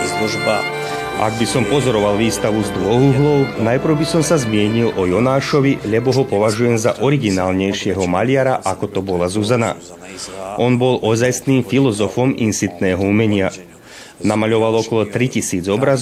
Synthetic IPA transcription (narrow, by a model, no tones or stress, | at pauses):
lɔʒba | ʔa̰ɡ̚bisɔmpɔzɔɾɔʋalʋiːst̪aʋuzd̪ʋɔɦuːɦlɔʊnajpɾwbisɔmsazmɪɛɲilʔɔjɔnaːʃɔʋiʎɛbɔɦɔpɔʋaʒujɛmzaʔɔɾiɡinaːlɲɛjʃɪɛɦɔmaʎɪaɾaʔakɔt̪ɔbɔlazuzana̰ | ʔɔnbɔlʔɔzajsniːmfilɔzɔfɔminsit̪nɛːɦɔumɛɲɪa | namaʎɔʋalˠɔkɔlɔt̪ɾicisiːd͡zɔbɾaz